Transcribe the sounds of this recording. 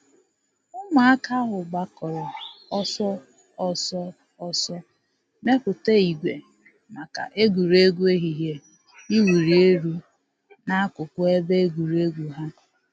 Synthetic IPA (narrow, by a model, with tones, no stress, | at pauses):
ʊ˦ma˨a˦ka˦ɦʊ˨ɡ͡ba˦kɔ˨ɾɔ˨ɔ˦sɔ˦ | ɔ˦sɔ˦ | ɔ˦sɔ˦ | ne˦pʊ˨te˦i˨ɡʷe˨ | ma˨ka̰˨ʔe˦ɡʷu˨ɾe˦ɡu˦e˦ɦi˨ɦe˨ | i˦wu˨ɾi˨e˦ɾu˦ | na˦a˦kʊ˨kʷʊ˦e˦be˦e˦ɡʷu˨ɾe˦ɡʷu˨ɦa˦